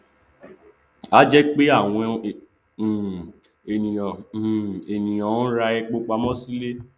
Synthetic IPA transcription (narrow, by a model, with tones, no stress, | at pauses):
a˦d͡ʒɛ˦k͡pe˦a˦˨w̃ɔ̃˧˨ | e˨nĩ˨j̃ã˨ | e˨nĩ˨j̃ã˨˦ɾa˧ɛ˧k͡po˦k͡pa˧mɔ̃˦si˦le˦